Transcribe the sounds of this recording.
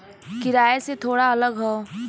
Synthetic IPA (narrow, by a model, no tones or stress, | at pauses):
kɪɾaːeset̪ʰoːɽaɐləɡɦɛː